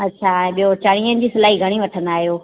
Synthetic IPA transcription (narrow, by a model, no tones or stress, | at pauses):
ɐtːɕʰaɛ̃ːɓijot͡ɕaɽ̃iːənɪ̆d͡ʑiːsɐlaːɦiɡʱɐɽ̃iʋɐʈʰə̃nd̪aːɦijoː